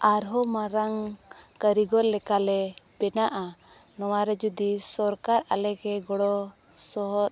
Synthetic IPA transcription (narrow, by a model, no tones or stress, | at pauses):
aɾɦɔmaɾaŋ | kəɾiɡɔɾlɛkalɛbɛnaʔa | nɔwaɾɛd͡ʒud̪isɔɾkaɾalɛɡɛɡɔɽɔ | sɔɦɔɾ